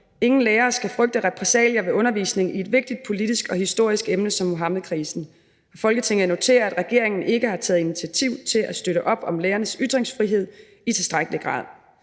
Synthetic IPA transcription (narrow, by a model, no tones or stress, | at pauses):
e̝ŋn̩leːɐːsɡ̥æfʁœɡ̥̚d̥əʁɛpʰʁɛsɛ̰ːljɐʋe̝ʔɔ̽nɐʋḭːsne̝ŋie̝d̥ʋe̝ɡ̥̚d̥id̥̚pʰo̝lid̥isɡ̥ɒ̽hisd̥o̝ɐ̰isɡ̥emnəsɒ̽mːoɦɑ̈mð̩ˠkʰʁiːsn̩ | ɑfɒ̽lɡ̥ət͡sʰe̝ŋð̩ˠno̝t͡sʰe̝̰ːɐædʁɛɡ̥e̝ɐe̝ŋn̩e̝ɡ̥əhɑ̈t͡sʰɛːð̞̩ˠinit͡sʰiæt͡sʰiʊ̰t͡sʰe̝læsd̥øɾəʔɒ̽b̥ɒ̽mleːɐnəsyd̥ʁeŋsfʁiɦe̝ð̰ˠ | it͡sʰe̝lsd̥ʁaɡ̥əliɡ̥ʁɑ̰̈ːð̰ˠ